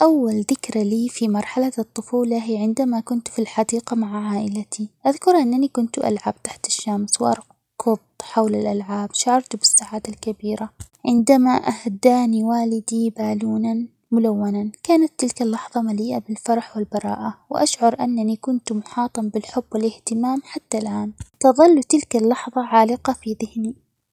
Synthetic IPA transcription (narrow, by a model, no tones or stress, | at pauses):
ʔawːalðɪkɾaliːfimɑɾˤħalat̪ˤːʊfuːlaɦiːʕɪnd̪amakʊnt̪filħɑd̪iːqamaʕʕaːʔɪlat̪ʰiʔaðkʊɾˤʔanːanikʊnt̪ʔa̰lʕab̚t̪aħt̪ɪ̥ʃːamswʔɑ̰ɾˤ | kʊðˤħawlalʔalʕaːbʃaʕɑɾˤt̪ubɪsːaʕaːd̪alkabiːɾa | ʕɪnd̪amaʔahd̪aːniwaːlɪd̪ibaːluːnan | mʊlawːanankaːnat̪ːɪlkalːɑħðˤɑmaliːʔabɪlfɑɾˤɑħwɪlbɑɾˤɑ̰ːʔawɪ̰ʔaʃʕʊɾˤʔanːanikʊnt̪mʊħɑːt̪ˤɑmbɪlħʊbːwɪlʔɪht̪ɪmaːmħat̪ːalʔaːnt̪ɑðˤɑlːut̪ɪlkalːɑħðˤɑʕaːlɪqɑfiðɪhni